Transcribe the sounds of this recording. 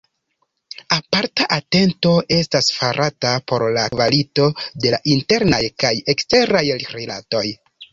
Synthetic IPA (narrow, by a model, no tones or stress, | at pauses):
apaɾtaʔate̞nto̞ʔe̞stasfaɾʔatapo̞ɾlakvalito̞de̞aʔinte̞ɾnajkaje̞kste̞ɾajɾila̰to̞j